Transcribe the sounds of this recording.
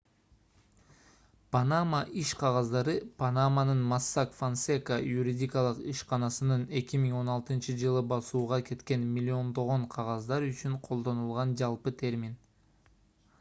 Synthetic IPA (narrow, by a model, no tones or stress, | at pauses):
panamaʔiʃqʰɑʁɑzd̪ɑɾɯpʰanamanɯnmasːakfansekajuɾʲidʲijkɑlˠɯqiʃqɑnɑsɯnɯne̞kʲimiŋo̞nɑlˠt̪ɯnt͡ʃɯd͡ʒɯlˠɯbɑsuːʁɑke̞t̪ke̞nmʲilʲːio̞nd̪o̞ʁo̞ɴqʰɑʁɑzd̪ɑɾyt͡ʃyɴqʰo̞lˠd̪o̞nulˠʁɑnd͡ʒɑlˠpɯt̪ʰe̞ɾmʲin